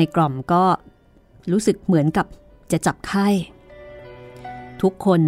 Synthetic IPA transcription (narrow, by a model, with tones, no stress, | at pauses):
a˧jklɔ˨˩mkɔː˥˩ | ɾuː˦˥sɯ˨˩k̚mɯ˩˦ənka˨˩p̚ | t͡ɕa˨˩t͡ɕa˨˩p̚kʰa˥˩j | t̪ʰu˦˥kʰːo˧n